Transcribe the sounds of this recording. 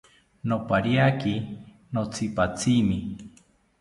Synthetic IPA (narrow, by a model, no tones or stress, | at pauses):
nopaɾiaki | not͡sʰipat͡sʰimi